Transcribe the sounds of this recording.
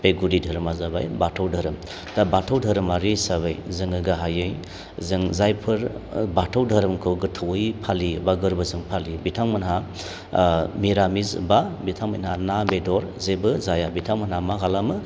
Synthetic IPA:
beɡudidʱɐɾmazaba̰jbatʰawdʱɐɾɯm | d̥abatʰawdʱɐɾɯmaɾisaβajzɯŋɯɡaɦajɯj | zɯŋzajpʰɯɾbatʰawdʱɐɾɯmkʰɯwɡɯtʰɯwɯjpʰalibaɡɯɾbɯzɯŋpʰalibitʰaŋmɯnɦa | miɾamizbabitʰaŋma̰jnhanabedɔɾzebɯzajabitʰaŋmanhamaɡalamɯ

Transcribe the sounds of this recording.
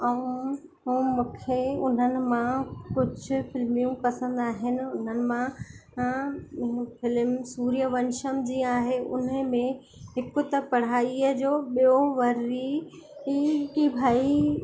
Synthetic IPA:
əũ | uːmũːkʰeʊn̤ənɪ̆mãkʊd͡ʑʱʊ̆fɪlmijũpɐsə̃nd̪aːɦɪnɪ̆ʊn̤ənɪ̆mã | fɪlmsuːɾijəʋɐ̃nʃəmd͡ʑĩːaːɦeʔʊ̰n̤əmẽ | ɦɪkʊ̆t̪ɐpɐɽ̤aːiəd͡ʑoːɓijoʋɐɾi | kibʱaːi

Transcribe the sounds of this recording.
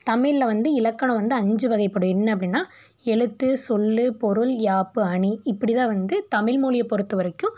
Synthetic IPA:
t̪ɐmɪllɐʋɐnd̪ɯɪlɐkːɐɳɐ̃ʋɐnd̪ɯɐɲd͡ʒɯʋɐɣɐɪpːɐɽɯɛnːɐɐp̬ːɐɽinːaː | ɛɭɯt̪ːɯsɔlːɯpɔɾɯljaːpːɯɐɳiɪpːɐɽɪt̪ãːʋɐnd̪ɯt̪ɐmɪlmuːɭɪjɐpːɔɾɯt̪ːɯʋɐɾɐkːɯ̃m

